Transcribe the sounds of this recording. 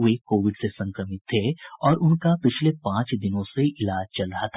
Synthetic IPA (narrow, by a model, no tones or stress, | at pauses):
ekoːʋɪɖsesɐ̃ŋkɾəmɪt̪ʰːeːɔːɾʔʊnkapɪt͡ʃʰlepãːt͡ʃd̪ɪnõseʔɪlaːd͡ʒt͡ʃɐlɾɐɦat̪ʰa